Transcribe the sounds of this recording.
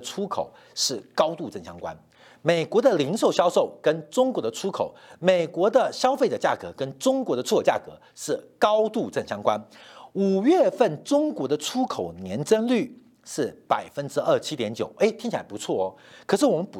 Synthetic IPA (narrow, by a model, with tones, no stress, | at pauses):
ʈ͡ʂʰu˥kʰo̰˨˩ʊ | ʂɻ̩˥˩kɑ˥ʊt̪u˥˧ʈ͡ʂə˥˩nɕjɑ̰˥ŋkwa̰˦n | me˨˩ɪkwɔ˧˥d̪ə˧li˧˥ŋʂo˥˩ʊɕjɑ˥ʊʂo˥˩ʊkə˥nʈ͡ʂʊ˥ŋkwɔ˧˥d̪ə˧ʈ͡ʂʰu˥kʰo˨˩ʊme˨˩ɪkwɔ˧˥d̪ə˧ɕjɑ˥ʊfe˥˩ʈ͡ʂə˨˩t͡ɕja̰˥˩kɤ̰˧˥kə˥nʈ͡ʂʊ˥ŋkwɔ˧˥ɾə˧ʈ͡ʂʰt͡ɕja̰˥˩kɤ˧˥ | ʂɻ̩˥˩kɑ˥ʊt̪u˥˧ʈ͡ʂə˥˩nɕjɑ˥ŋkwa˥nu˨˩ɥɛ˥˧fə˥˩nʈ͡ʂʊ˥ŋkwɔ˧˥d̪ə˧ʈ͡ʂʰu˥kʰo˨˩ʊnjɛ˧˥nʈ͡ʂə˥nly˥˩ | ʂɻ̩˥˩pa˨˩ɪfə˥nʈ͡ʂɻ̩˥ʔə˞˥˩t͡ɕʰi˥t̪jɛ˧˥nt͡ɕjo˨˩ʊe˥˩ɪt̪ʰŋt͡ɕʰla̰˥pu˧˥t͡sʰwɔ˥˩ | kʰɤ˨˩ʂɻ̩˥˩wɔ˨˩mə˦np